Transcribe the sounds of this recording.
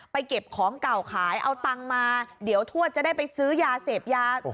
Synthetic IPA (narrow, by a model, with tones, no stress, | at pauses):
pa˧jke˨˩p̚kʰɔː˩˦ŋka˨˩wkʰaː˩˦jʔa˧wt̪a˧ŋmaː˧di˩˦əwt̪ʰu˥˩ət̪̚a˨˩da˥˩jpa˧jsɯː˦˥jaː˧seː˨˩p̚jaː˧